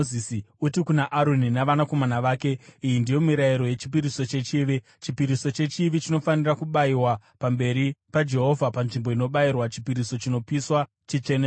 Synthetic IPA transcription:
isiutikunaʔaɾoninaʋanako̞manaʋaːke̞ijindijo̞miɾaiɾo̞je̞t͡ʃi̥p̬iɾiso̞t͡ʃe̞t͡ʃiːʋi | t͡ʃipiɾiso̞t͡ʃe̞t͡ʃiʋit͡ʃino̞fanirakuɓaiwapambe̞ɾipad͡ʒe̞ɦo̞vʱapanʐimbo̞ino̞ɓairwat͡ʃi̥piɾiso̞t͡ʃino̞piswa | t͡ʃit͡ʃene

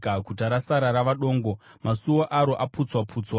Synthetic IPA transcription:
akutaɾasaɾaɾaʋaɗo̞ːŋɡo̞ | masuwoʔaɾoʔaput͡swapʰuːt͡swa

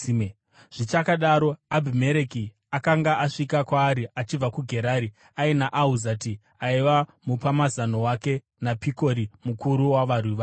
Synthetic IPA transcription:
ʐ̥it͡ʃakaɗaɾo̞abʱime̞ɾeki | akaŋɡaʔaʂikakwaːɾiat͡ʃib͡vakuɡʱe̞ɾaɾi | ainaʔauzati | aiʋamupamazano̞wake̞ | napikoɾimukuɾuwaʋaruʋa

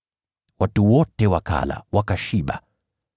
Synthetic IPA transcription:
watuwɔtɛwaka̰la̰wakaʃiɓa̰

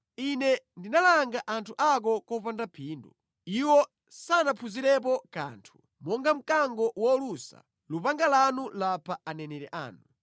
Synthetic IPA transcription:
inɛndinalaŋɡaʔantʰuʔak̬ɔkɔpandapʰiːndṵ | iwɔ | sanapʰuziɾɛpɔka̰ːntʰu̥ | mɔŋɡam̩kaŋɡɔwɔlusa̰ | lupaŋɡalanulapʰaanɛnɛɾɛʔa̰ːnu

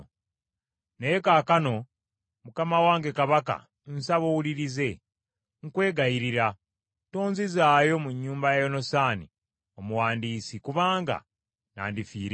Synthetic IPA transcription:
nejekaːkano̞ | mukamawaːŋɡe̞kaβaka̰ | n̩saβo̞wuliɾize̞ | ŋkwe̞ːɡajiɾiɾa | to̞ːnzizaːjo̞muɲːuːmbajajo̞no̞saːnḭ | o̞muwaːndiːsikuβaːŋɡa̰ | na̰ːndifiːɾ

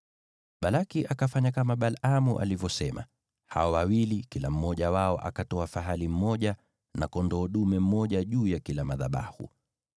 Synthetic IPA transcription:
ɓalakiʔakafaɲakamaɓalamṵʔa̰livjɔsɛma̰ | haɔwawilikilam̩mɔʄawaɔʔa̰katɔafaɦalim̩mɔʄa | nakɔndɔːɗumɛm̩mɔʄaʄuːjakilamaðaɓa̰hṵ

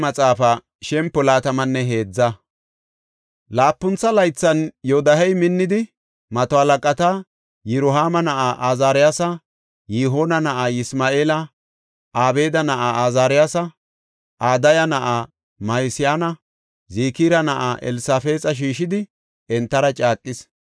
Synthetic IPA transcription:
ɐt͡sʼaːfɐ | ʃɛmpːɔlaːt̪ɐmɐnːɛɦe̞ːd͡zːɐ | laːpːʊnt͡sːɐlɐjt͡sːɐnjod̪ɐhɛjmɪnːɪd̪ɪ | mɐt̪ɔɐlɐkʼɐt̪ɐ | jɛɾʊɦaːmɐnɐʔaːʔazaːɾɪjaːsɐ | jiɦoːnɐnɐʔaːjɪsmaːʔe̞ːlɐ | ʔaːbe̞ːd̪ɐnɐʔaazaːɾɪjaːsɐ | ʔaːd̪ɐjɐnɐʔa | mɐjsɪjaːnɐ | ziːkiːɾɐnɐʔaːʔɛ̰lsaːfe̞ːt͡sʼɐʃ̬iːʃɪd̪ɪ | ɛnt̪ːɐɾɐt͡ʃʼaːkʼːɪs

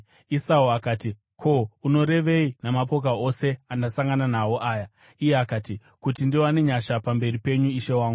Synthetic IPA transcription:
isauakaːti | kʰouno̞ɾe̞ʋe̞inamapo̞k̬ao̞se̞andasaŋɡananawo̞ʔaːja | ijeakaːti | kutindioane̞ɲaʃapambe̞ripe̞ɲuiʃe̞waːŋɡu

